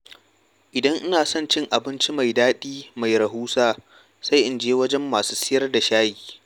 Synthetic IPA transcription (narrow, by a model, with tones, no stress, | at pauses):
ʔɪ˨dɐ˦ŋʔɪ˦naː˨sɔ˦nt͡ʃɪ˦ŋʔa˨bɪ˦nt͡ʃi˦ma˨jdaː˦ɗiː˦ma˨jɾɐ˨ɦuː˦saː˦ | sa˦jʔɪ˨nd͡ʒeː˦wɐ˦d͡ʒɛ˦mːaː˨su̥ː˦sɪ˦jɐ˦rda˨ʃaː˦jiː˨